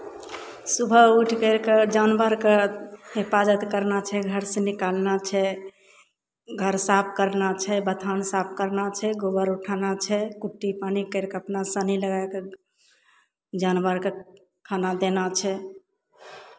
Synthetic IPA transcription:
subʱəuʈʰkəɾked͡ʒanbəɾkeɦepad͡ʒət̪kəɾnat͡ʃʰɛɡʱəɾsẽnikalnat͡ʃʰɛ | ɡʱəɾsap̚ʰkəɾnat͡ʃʰɛbət̪ʰansap̚ʰkəɾnat͡ʃʰɛɡobəɾuʈʰanat͡ʃʰɛkuʈːipanikəɾkeəpnasəniləɡajke | d͡ʒanbəɾke | kʰanad̪enat͡ʃʰɛ

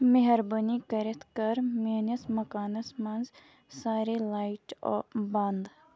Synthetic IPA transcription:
meɦɐɾbənikɐɾet̪ʰkɐɾmeːnɐsmɐkaːnɐsmɐnz | saːɾelaːɪʈɔbɐnd̪

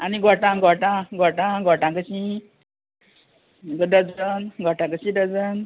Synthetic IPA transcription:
aniɡʱɔʈãɡʱɔʈãɡʱɔʈãɡʱɔʈãkəɕĩ | ɡɖəd͡zənɡʱɔʈãkəɕĩdəd͡zən

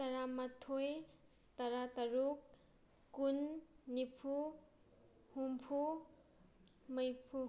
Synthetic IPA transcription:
t̪ɐɾamat̪ʰːoj | t̪ɐɾat̪ɐɾukː | unːipʰu | humpʰu | mʌjpʰu

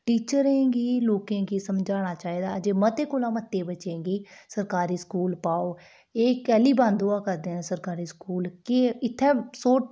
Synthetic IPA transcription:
ʈiːt͡ʃəɾẽːɡiːloːkẽːɡiːsəmd͡ʒaːɽ̃aːt͡ʃaːiːd̪aːəd͡ʒeːmət̪eːkoːlaːmət̪ːeːbət͡ʃẽːɡiːsəɾkaːɾiːskuːlpaːoː | eːkɛːliːbãːnd̪ʊaːkəɾd̪ẽːsəɾkaːɾiːskuːlkɪɪt̪ʰːɛ̃ːsoːʈ

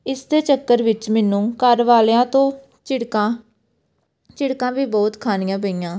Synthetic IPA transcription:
ɪsd̪eːt͡ʃəkːəɾʋɪt͡ʃmɛːnũːkəɾʋaːlːãːt̪õː | t͡ʃɪɽkãː | t͡ʃɪɽkãːʋiːbɔːt̪kʰaːnɪjãːpəiːãː

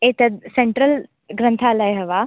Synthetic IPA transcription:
eːt̪ɐd̪̚seɳʈɾəl | ɡɾɐ̃nt̪ʰalɐjɦɐʋaː

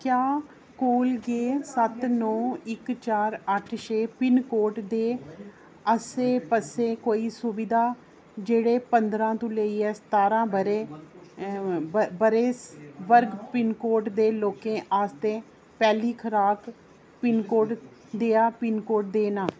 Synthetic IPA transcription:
kjaː | koːlɡeːsət̪nɔ̃ːɪkt͡ʃaːɾəʈʰʃeːpɪnkoːʈd̪eː | əseːpəseːkoːiːsʊʋɪd̪aː | d͡ʒeːɽeːpənd̪ɾãːt̪õːləiːɛːst̪aːɾãːbəɾeː | bəɾeːsʋəɾɡpɪnkoːʈd̪eːloːkẽːʔaːst̪eː | pɛːliːkʰəɾaːk | pɪnkoːʈ | d̪eːaːpɪnkoːʈ̚d̪eːnaː

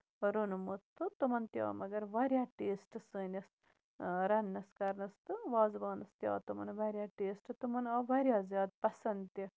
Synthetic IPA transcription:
ɾunumot̪ːɨt̪umɐnt̪ja̰ːmɐɡɐɾʋɐɾʲjaːʈeːsʈɨsəːnʲɐs | ɾɐnːɐskɐɾnɐst̪ɨʋaːzbaːnɐst̪ja̰ːt̪umɐnʋɐɾʲjaːʈeːsʈɨt̪umɐnɐʋɐɾjaːzjaːd̪̚pɐsɐnd̪t̪ɐ

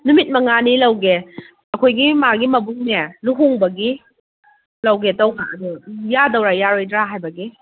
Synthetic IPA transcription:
numit̚mɐŋanilɐwɡe | ɐkʰojɡimaɡimɐbuŋnenuɦuŋbɐɡi | lɐwɡetɐwfʰaɐdujadɐwɾajaɾojdɾaɦajbɐɡi

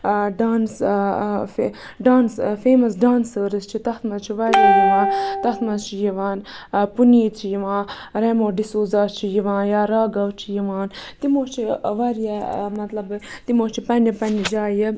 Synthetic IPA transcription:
ɖaːns | f | ɖaːnsfeːmɐsɖaːnsəːɾɨst͡ʃʰit̪ɐxt̪mɐt͡ʃʰiʋaɾjaːjiʋaːnt̪ɐxt̪mɐt͡ʃʰijiʋaːnpuniːt͡ʃʰijiʋãː | ɾeːmoːɖisoːzaːt͡ʃʰijiʋãːjaːɾaːɡɐʋt͡ʃʰijiʋaːnt̪imoːt͡ʃʰiʋɐɾijamɐt̪lɐbɨt̪imoːt͡ʃʰipɐnipɐnid͡ʒaːji

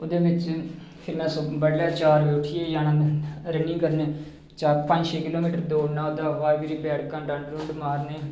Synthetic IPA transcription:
od̪eːbɪt͡ʃ | pʰɪɾmɛ̃ːsobəɽlɛːt͡ʃaːɾbeːʊʈʰieːjaːnãːɾənĩːkəɾnẽː | t͡ʃaːpə̃d͡ʒʃeːkɪloːmiːʈəɾd̪oːnãːʊd̪aːʋaːɾɡiːɾiːbɛːɽkãːɖãːɳɖɾʊ̃ɳɖmaːɾneː

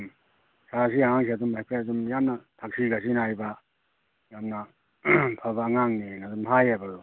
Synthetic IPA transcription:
m | sas̬iaŋaŋs̬iadumajpʰɾeadumjamnɐtʰak̚siɡas̬inajba | jamna | pʰabaːŋaŋnenadumɦajabalu

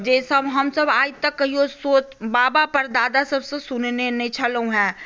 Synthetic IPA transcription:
d͡ʒeːsɐbɦɐmsɐbaːt̪ɐkːɐɦiosoːt͡ʃbaːbapɐɾd̪aːd̪asɐbsesʊnnenẽt͡ʃʰɐlõɦɛ̃ː

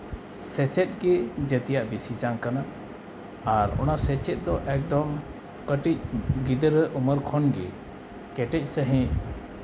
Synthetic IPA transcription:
sɛt͡ʃɛt̪̚ɡɛd͡ʒət̪ɛjaʔbisit͡ʃaŋkanaː | ɾɔ̰nasɛt͡ʃɛt̪̚d̪ɔʔɛk̚d̪ɔm | kəʈic̚ɡid̪əɾəʔuməɾkʰɔnɡɛ̰ | kɛʈɛc̚ˀsəɦɛ̃

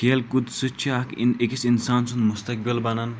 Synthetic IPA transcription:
keːlkud̪sɨt͡ʃʰiakikisinsaːnt͡sʰunmust̪ɐk̚bilbɐnɐn

